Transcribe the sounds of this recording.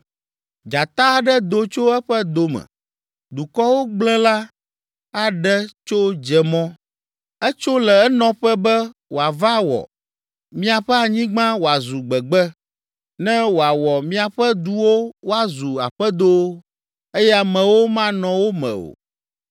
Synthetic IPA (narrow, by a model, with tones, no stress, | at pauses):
d͡ʒa˨t̪a˦˨ɖɛ˦d̪o˨t͡ʃo˦ɛ˦ɸɛ˦d̪o˨mɛ̰˨ | d̪u˨kɔ˦wo˦ɡ͡blɛ̃˦la˦ | a˨ɖɛ˦t͡ʃo˦d͡ʒɛ˨mɔ̃˦ | ɛ˦t͡ʃo˦lɛ˨ɛ˦nɔ̃˨˦ɸɛ˦bɛ˦wo˨a˨va˦wɔ̰˨ | mĩ˦a˨ɸɛ˦a˨ɲĩ˦ɡ͡bã˦wo˨a˨zu˨ɡ͡bɛ˨ɡ͡bɛ˦ | nɛ̃˦wo˨a˨wɔ˨mĩ˦a˨ɸɛ˦d̪u˨wo˦wo˦a˨zu˨a̰˨ɸɛ˦d̪o˦ | e˦jɛ˦a˨mɛ̃˨wo˦mã˦nɔ̃˨wo˦mɛ̰̃˨o̰˨